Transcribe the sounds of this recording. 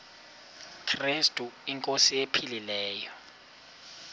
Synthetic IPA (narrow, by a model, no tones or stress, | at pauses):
kʰristʼuiŋkʼosijepʰililɛːjɔ